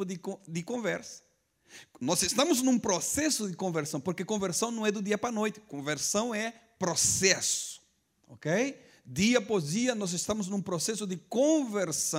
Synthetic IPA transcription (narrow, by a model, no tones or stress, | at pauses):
ʊd̪ɪkõd̪ɪkõvɛɾsɐ̥ | nɔzest̪ɐ̃mʊznũpɾosɛsʊd̪ɪkõveɾsɐ̃w̃poɾkekõveɾsɐ̃w̃nɐ̃w̃ɛd̪ʊd̪iɐpɾɐnojt̪ɪ̥kõveɾsɐ̃w̃ɛpɾosɛsʊ̥ | o̰kej | d̪iɐpɔzd̪iɐnɔzest̪ɐ̃mʊznũpɾosɛsʊd̪ɪkõveɾsɐ̃